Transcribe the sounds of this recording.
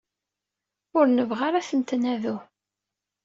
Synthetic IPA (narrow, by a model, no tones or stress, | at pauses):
ʊɾnəvʁaɾaθənt̪næðu